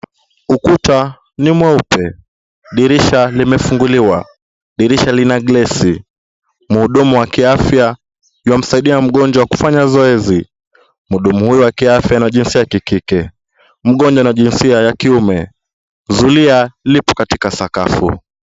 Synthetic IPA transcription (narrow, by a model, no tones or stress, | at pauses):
ukuta | nimwaupɛ | ɗiɾiʃalimɛfuŋɡuliwa | ɗiɾiʃalinaɠlɛsi | m̩huɗumuwakiafja | iwam̩saiɗiam̩ɠɔnd͡ʒwawaku̥faɲazɔɛzi | m̩huɗumuhujuwakiafjanaʄinsiajakikikɛ | m̩ɠɔnd͡ʒwanaʄinsiajakiumɛ | zulialipɔkatikasakafṵ